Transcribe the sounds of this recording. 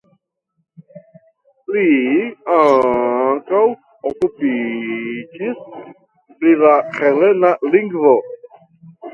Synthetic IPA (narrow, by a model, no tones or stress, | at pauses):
liaŋkaw | okupi | d͡ʒis | pɾilaχelenaliŋɡvo